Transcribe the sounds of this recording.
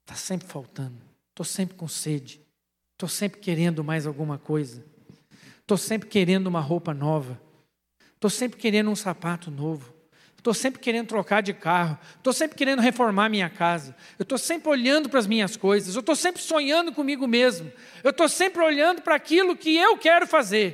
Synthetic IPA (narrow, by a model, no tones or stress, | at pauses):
t̪ʰḁsẽmpɾɪfawt̪ɐ̃nd̪ʊ | t̪osẽmpɾɪkõsed͡ʒɪ | t̪osẽmpɾɪkeɾẽnd̪ʊmajzawɡũmɐkojzɐ | t̪osẽmpɾɪkeɾẽnd̪ʊũmɐɦowpɐnɔvɐ | et̪osẽmpɾɪkeɾẽnd̪ʊũsapat̪ʊnovʊ | ewt̪osẽmpɾɪkeɾẽnd̪ʊt̪ɾokaɾd͡ʒɪkaɦʊet̪owsẽmpɾɪ̥keɾẽnd̪ʊɦefoɾmaɾmĩɲɐkazɐewt̪owsẽmpɾɪoʎɐ̃nd̪ʊpɾɐzmĩɲɐskojzɐzewt̪owsẽmpɾɪsõɲɐ̃nd̪ʊkõmiɡʊmezmʊ | ewt̪osẽmpɾɪoʎɐ̃nd̪ʊpɾɐakilʊkɪewkɛɾʊfazeɾ